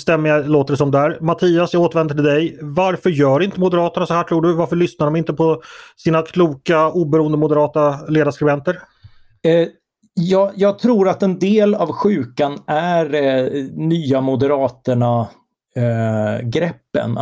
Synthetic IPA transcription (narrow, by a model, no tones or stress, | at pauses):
st̪ɛmːəjaloːt̪əɖɛs̬ɔmd̪æɾmat̪ʰiːasjaɡoːt̪əɾvɛnd̪aɖəd̪ɛjvaɾfœɾjœːɖɪnt̪əmʊd̪ɛɾɑːt̪əɳasɔhæːʈʰɾuːɖɵvaɾfəɭʏsnaɾɖɔmɪnt̪əpʰɔsiːnakʰluːkauːbɛɾuːənd̪əmʊd̪əɾɑːt̪aleːd̪askɾɪbɛnt̪əɾ | jɑːjɑːɡ̚t̪ʰɾuːɾat̪ɛnd̪eːlavɧʉ̟ːkanæɾnyːamʊd̪ɛɾɑːt̪əɳa | ɡɾɛpːə̰n